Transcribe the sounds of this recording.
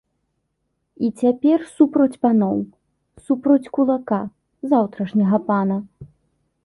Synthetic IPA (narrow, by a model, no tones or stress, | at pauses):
it͡sʲapʲɛrsupɾɐt͡sʲpanɔw | supɾɐt͡sʲkulˠaka | zawt̪ɾɐʂnʲɐɣɐpanɐ